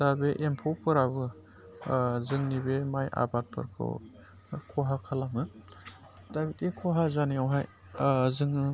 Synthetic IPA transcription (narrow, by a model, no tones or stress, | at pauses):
d̥abeʔempʰowpʰɯɾabɯ | zɯŋnibemajʔa̰bat̚pʰɯ̰ɾkʰɯ̰w | kʰɔɦakʰalamɯ | d̥abitikʰɔɦazanijawɦaj | zɯŋɯ